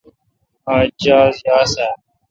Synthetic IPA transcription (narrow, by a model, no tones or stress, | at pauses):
aːd͡ʒaːzjaːsaː